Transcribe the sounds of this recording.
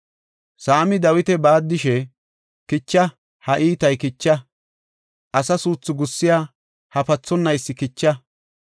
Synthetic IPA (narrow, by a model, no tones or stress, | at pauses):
saːmɪd̪ɐwɪt̪ɛbaːd̪ːɪʃɛ | kɪt͡ʃːɐ | hɐʔiːt̪ɐjkɪt͡ʃːɐ | ʔɐsɐsuːt͡sːʊɡʊsːɪjaː | hɐpɐt͡sːɔnːɐjsːɪkɪt͡ʃːɐ